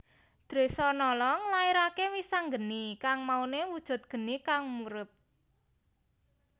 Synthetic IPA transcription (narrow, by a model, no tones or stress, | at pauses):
d̪̥ɾe̤sɔnɔlɔŋlaiɾakewisaŋɡənikaŋmaunewud̥ʒ̥ʊ̤t̪̚ɡ̥ə̤nikaŋmuɾʊp̚